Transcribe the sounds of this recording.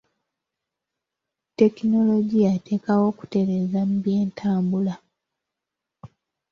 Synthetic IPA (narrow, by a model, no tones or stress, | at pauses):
te̞kino̞lo̞ɟiatʰe̞ːkawo̞ːku̥te̞ɾe̞ːzam̩bje̞ːntʰaːmbula